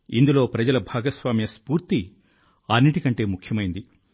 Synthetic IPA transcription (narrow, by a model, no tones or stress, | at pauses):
ḭnd̪ulo̞ːpɾɐd͡ʒɐlɐbʱaːɡɐsʋaːmjɐspuːɾt̪i | ɐnːiʈikɐɳʈe̞ːmukʰjɐmɐjind̪i